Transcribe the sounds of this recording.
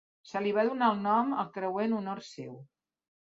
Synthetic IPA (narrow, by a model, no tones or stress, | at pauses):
səliβ̞aðunaəlˠnɔmə̰lˠkɾəwenunorsew